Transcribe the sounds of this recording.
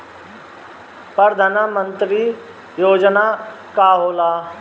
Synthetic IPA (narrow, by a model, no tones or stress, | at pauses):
pɾəɾəd̪ʱaːnəmənt̪ɾi | joːd͡ʒnaː | kaːɦoːlaː